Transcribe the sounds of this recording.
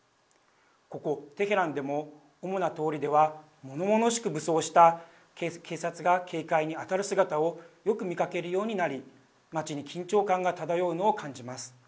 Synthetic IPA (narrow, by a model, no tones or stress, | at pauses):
ko̞ko̞t̪e̞ɦe̞ɾãnd̪e̞mo̞ː | mo̞nat̪o̞ːɾʲid̪e̞βa | mo̞no̞mo̞no̞ɕi̥kɯ̟bɯ̟so̞ːɕi̥t̪a | kkʰe̞ːsat͡sɨɡakʰe̞ːkaiɲ̟iat̪aɾɯ̟sɨɡat̪ao̞jo̞kɯ̟mʲikake̞ɾɯ̟jo̞ːɲ̟inaɾʲi | mat͡ɕiɲ̟ikʲĩɲ̟t͡ɕo̞ːkãŋɡat̪ad̪ajo̞ɯ̟no̞ːkãɲ̟d͡ʑimasɨ̥